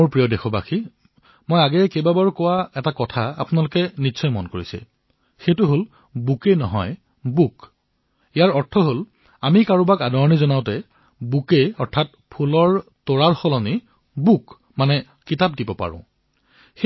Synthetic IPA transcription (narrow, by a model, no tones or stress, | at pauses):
moɹpɹijɔdexɔbaxi | mojaɡɛkejbabaɹkɔwaɛtakɔtʰaa̰pʊnalʊkɛnitːsɔjmɔnkoɹisɛ̰ | xejtʊɦol | bukenɔɦɔj | buk | ijaɹɔɹtʰɔɦol | amikaɹubakadɔɹɔnizɔnaʊtɛ | bukejɔɹtʰat̚pʰulɔɹtoɹaɹxɔlɔni | buk | manɛ | kitap̚dibɔpa̰ɹʊ̰̃ | xe